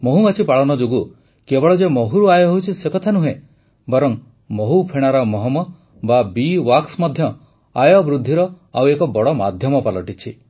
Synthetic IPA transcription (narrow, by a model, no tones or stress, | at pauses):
moɦumat͡ʃʰipaɭɔnɔd͡ʒoɡu | kebɔɭɔd͡ʒemoɦuɾuajɔɦowt͡ʃʰisekɔt̪ʰanuɦẽ | bɔɾɔŋ | moɦupʰeɽ̃aɾɔmɔɦɔmɔ | babiwaksmɔd̪ʱjɔ | ajɔbɾud̪ʱːiɾɔ | awekɔbɔɽɔma̰d̪ʱjɔmɔpalɔʈit͡ʃʰi